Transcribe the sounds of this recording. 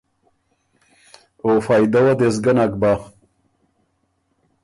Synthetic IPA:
ofaːjd̪ɐwɐd̪esɡɐnak̚ba

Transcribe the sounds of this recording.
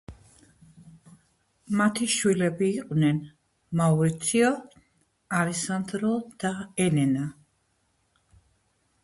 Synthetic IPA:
mat̪ʰiʃwilɛbiːqʼwnɛn | mauɾit̪sʰiɔ | alɛsand̪ɾɔd̪̥aɛnɛna

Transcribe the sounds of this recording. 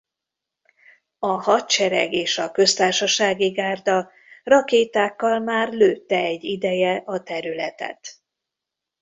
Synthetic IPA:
ɒhɒt̪t͡ʃɛɾɛ̰ɡeːʃɒkø̞st̪aːrʃɒʃaːɡiɡaːrd̪ɒ | rɒkeːt̪aːkːɒlmaːrløːt̪ːɛɛɟːid̪ɛjɛʔɒt̪ɛɾylɛt̪ɛ̰t̪

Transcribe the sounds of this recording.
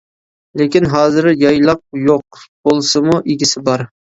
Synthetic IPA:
lekʲɪnɦɑːzɪɾjɑjlˠɑq̚joq̚b̥olˠsɨmuʔiɡʲɪsɪbɑɾ

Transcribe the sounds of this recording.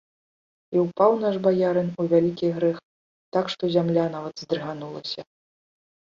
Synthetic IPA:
iwpawnaʐbajaɾɨnuvʲalʲikʲiɣɾɛx | t̪akʂt̪ɔzʲamlʲanavɐd̪zd̪ɾɨɣanulˠɐsʲɐ

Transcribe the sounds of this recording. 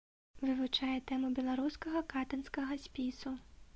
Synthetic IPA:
vɨvut͡ʂajɛt̪ɛmubʲɛlˠaɾuskɐɣɐkat̪ɐnskɐɣɐsʲpʲisu

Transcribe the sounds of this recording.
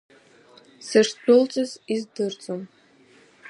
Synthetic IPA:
sɨrsbʼʊlt͡sʼɨzizdɨrt͡sʼom

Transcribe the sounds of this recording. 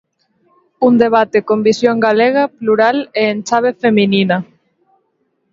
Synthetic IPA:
und̪eβ̞at̪ekombisjoŋɡaleɣ̞ɐpluɾaleːnt͡ʃaβ̞efeminina

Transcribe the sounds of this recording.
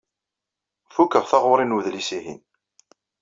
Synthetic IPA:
fukːəʁθɑʁʊɾˤinuðlisiɦḭn

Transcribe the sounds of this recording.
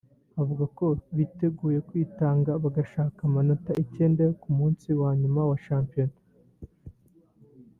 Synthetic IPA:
avuɡako̞βite̞ɡuːje̞kwiːtaːŋɡaβaɡaʃaːkamanotaʔice̞ːndekumuːnsiwaːɲumawaʃaːmpijon

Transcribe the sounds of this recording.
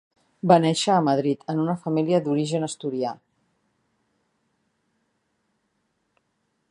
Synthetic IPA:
banɛʃəːməð̞ɾit̪ʰənunəfəmiliəd̪uɾiʒənəst̪uɾia

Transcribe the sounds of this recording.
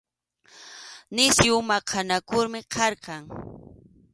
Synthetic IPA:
nɪsjʊmaqʰanakʊɾmɪqʰɑɾqɑŋ

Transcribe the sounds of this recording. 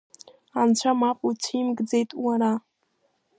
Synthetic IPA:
ant͡ɕʷʰamapʼut͡ɕʰimɡd͡zejtʼwaɾa

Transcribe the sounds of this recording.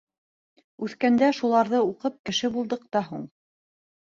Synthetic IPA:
ʉθkænd̪æʃulˠɑɾðɤuqɤp̚kɘ̆ʃɘbulˠd̪ɤq̚t̪ɑɦṵɴ

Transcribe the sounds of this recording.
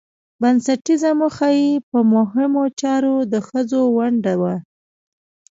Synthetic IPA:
bansaʈizamoxajipəmʊɦɪmot͡ʃɑɾod̪əxəzowaɳɖawa

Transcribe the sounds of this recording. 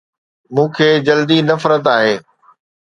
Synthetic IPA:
mũːkʰeːd͡ʑɐld̪inɐfɾət̪aːɦeː

